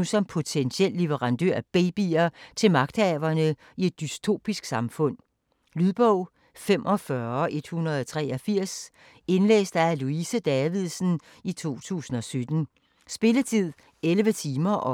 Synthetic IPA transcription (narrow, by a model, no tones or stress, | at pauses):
usɒ̽mpʰo̝t͡sʰenɕiel̰liʋəʁɑ̈nd̥ø̰ɐ̰æb̥eːb̥iɐt͡sʰe̝lmɑ̈ɡ̥̚d̥ɛːʋɐnə | ie̝d̥ːyst͡sʰo̝̰ːb̥isɡ̥sɑ̈mfɔ̽n̰ | lyðˠb̥ɔʊ̰ | fem̰ʔɒ̽fɶɐʔe̝d̥hunʁɐð̞ˠɒt͡sʰʁɛɒfiɐ̰s | e̝nlḛːsd̥ææluisəd̥ɛʋið̞̰ˠsn̩ | it͡sʰo̝̰ːt͡sʰṵːsn̩ɒ̽sød̥n̩ | sb̥e̝lət͡sʰið̰ˠ | elʋət͡sʰiːmɐʔɒ̽